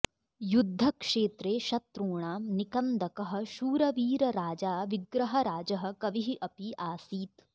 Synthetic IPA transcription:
jud̪ʱːɐkʂeːt̪ɾeːʃɐt̪ɾuːɳaːmnikɐnd̪ɐkɐɦɐ̆ʃuːɾɐʋiːɾɐɾaːd͡ʒaːʋiɡɾɐɦɐɾaːd͡ʒɐɦɐ̆kɐʋiɦiʔɐpiʔaːsiːt̪

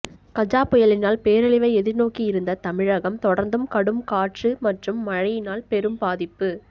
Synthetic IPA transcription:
kɐd͡ʒaːpɔjɐlɪnaːlpeːɾɐɭɪʋɐɪɛðɪɾnoːkijɪɾɯnd̪ɐt̪ɐmɪɻɐɣɐmt̪ɔɽɐɾnd̪ɯmkɐɽɯmkaːʈrɯmɐʈrɯmːɐɻɐjɪnaːlpɛɾɯmbaːðɪpːɯ

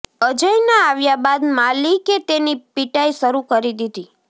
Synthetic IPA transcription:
əd͡ʒəjnaaʋjabad̪maliket̪enipiʈajsəɾukəɾid̪id̪i

